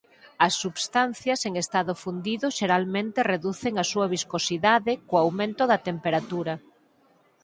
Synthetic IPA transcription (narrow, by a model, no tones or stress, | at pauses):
ɐsːuβst̪an̟θjɐseŋest̪aðʊfund̪iðʊʃeɾalmẽnt̪ɪreðuθeŋɐsuɐβ̞iskosiðaðɪkoawmẽnt̪ʊðɐt̪empeɾat̪uɾɐ